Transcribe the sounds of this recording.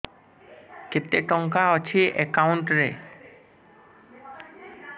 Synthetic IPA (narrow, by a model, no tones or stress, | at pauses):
ket̪ːeʈɔŋkaɔt͡ɕʰiʔekawuɳʈɾe